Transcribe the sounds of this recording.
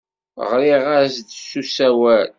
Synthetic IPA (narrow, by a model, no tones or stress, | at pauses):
ʁɾiʁæsd̪sːusæwæl